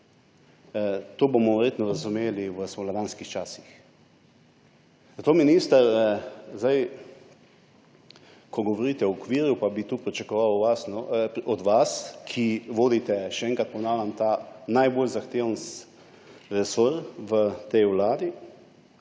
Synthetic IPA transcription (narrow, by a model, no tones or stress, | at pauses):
t̪oːbomɔʋɛɾjeːt̪nɔɾazumeːliʋəsmolaʋanskixt͡ʃasix | zat̪oːminiːst̪əɾzd̪aj | kʰɔɡɔʋɔɾiːt̪ɛwɔkʋiːɾjupabit̪uːpɾit͡ʃakɔʋawʋasnɔɔd̪ʋaskʰiʋoːd̪it̪ɛʃɛɛŋkat̪pɔnaːwlʲamt̪anajbolzaxt̪eːwns | ɾɛsoɾʋət̪ɛjwlaːd̪i